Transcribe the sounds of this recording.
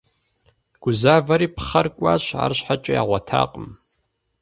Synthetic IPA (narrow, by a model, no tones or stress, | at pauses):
ɡ̥ʊzavaɾipʰχarkʷʼaʃʷʰa̰rʃʷħat͡ʃʼajaʁʷatʰa̰qʼəm